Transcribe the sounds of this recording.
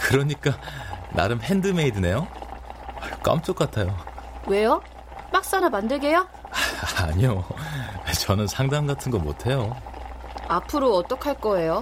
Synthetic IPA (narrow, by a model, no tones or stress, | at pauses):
kɯɾʌɲik͈ana̰ɾɯmpʰe̞ndɯmeidɯne̞jo | ʌɭk͈a̰mt͡ɕ͈ok͈̚atʰajowe̞jo | pak̚s͈anamandɯɭɡe̞jo | aɲioet͡ɕʌnɯnsʰaŋdaŋɡatʰɯnɡʌmo̰tʰe̞jo | apʰɯɾoʌt͈ʌkʰaɭk͈ʌe̞jo